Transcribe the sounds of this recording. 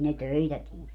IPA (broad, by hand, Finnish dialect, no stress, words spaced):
ne tøitæ tie